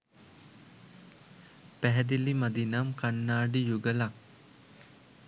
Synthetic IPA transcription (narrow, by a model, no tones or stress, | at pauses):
pæɦɛd̪ilimad̪inamkanːaːɖijuɡəlak